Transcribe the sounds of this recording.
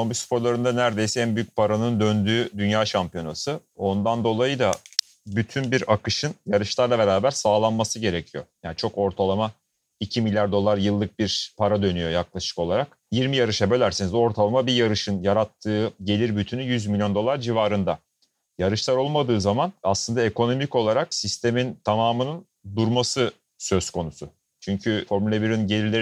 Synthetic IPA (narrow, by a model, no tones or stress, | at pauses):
sombisu̥pʰo̞ɾlˠaɾɯnd̪anæɾd̪e̞jsɛænbyjyc̚pʰaɾanɯnd̪ønd̪yːd̪ynjaːʃampijo̞nasɯo̞nd̪and̪o̞lˠajɯd̪a | byt̪ʰynbiɾakɯʃɯnjaɾɯʃlˠaɾlˠabe̞ɾaːbæɾsaːlˠanmasɯɟe̞ɾecʰijo̞̰jaːnt͡ʃʰo̞ko̞ɾt̪ʰalˠama | icʰimilʲjaɾd̪o̞lˠaɾjɯlˠːɯk̚biɾpʰaɾad̪ø̞nyjojaklˠaʃɯ̥ko̞lˠaɾak | jiɾmijaɾɯʃabø̞lʲæɾsinizo̞ɾt̪ʰalˠamabijaɾɯʃɯnjaɾat̪ʰːɯːɟe̞lʲiɾbyt̪ʰynyjyzmilʲjond̪o̞lˠaɾd͡ʒivaːɾɯnd̪a | jaɾɯʃlˠaɾo̞lˠmad̪ɯːzamanaslˠɯnd̪ae̞kʰo̞no̞mico̞lˠaɾaksist̪ʰe̞mint̪ʰamaːmɯnɯn | d̪uɾmasɯ | sø̞skʰo̞nusu | t͡ʃʰyɲcʰyfo̞ɾmylʲebiɾininɟe̞lʲiɾlʲe